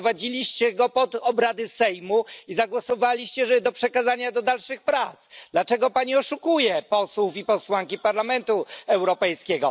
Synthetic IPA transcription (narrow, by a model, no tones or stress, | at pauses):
vad͡ʑilʲiɕt͡ɕɛɡɔpɔd̪ɔbɾad̪ɘsɛjmuizaɡwɔsɔvalʲiɕt͡ɕɛʐɛd̪ɔpʂɛkazaɲad̪ɔd̪alʂɘxpɾat̪sd̪lat͡ʂɛɡɔpaɲiɔʂukujɛpɔswufipɔswaŋkʲipaɾlamɛnt̪uɛwɾɔpɛjskʲɛɡɔ